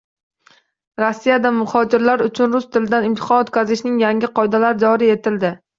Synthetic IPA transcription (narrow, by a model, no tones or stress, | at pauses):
ɾosːijad̪amʊχɒd͡ʒɪɾlaɾʊt͡ʃʰʊnɾʊst̪ʰɪlɪd̪anɪmt̪ʰɪ̥χɒnot̪kʲazɪʃnɪŋjaŋʲɪqʰɒjd̪alaɾɪd͡ʒɒɾie̞t̪ʰɪld̪ɪ